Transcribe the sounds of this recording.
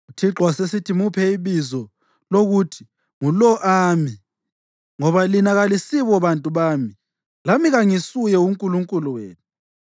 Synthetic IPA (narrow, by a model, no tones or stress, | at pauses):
ɣutʰiǁwasesitʰimupʰɛiβizɔ | loɣutʰi̥ | ŋulɔʔami | ŋɔβalinaɣalisiβɔβantʼuβaːmi | lamiɣaŋisujɛuŋkʼuluŋkʼuluwḛːnʰu